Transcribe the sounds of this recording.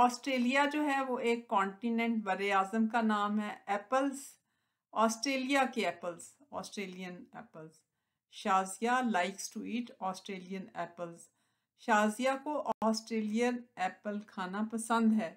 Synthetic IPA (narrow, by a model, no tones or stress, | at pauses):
ɔːsʈɾeːlijad͡ʒoːɦɛʋoeːkːɔ̃ːɳʈinɛ̃ɳʈʋɐɾeaːzəmkanaːmɦɛɛːpəlz | ɔːsʈɾeːlijakeɛːpəlz | ɔ̰ːsʈɾeːlijənɛ̰ːpəlz | ʃaːzijalaːɪksʈuiːʈɔːsʈɾeːlijənɛ̰ːpəlz | ʃaːzijakoʔɔːsʈɾeːlijənɛːpəlkʰaːnapɐsə̃nd̪ɦɛː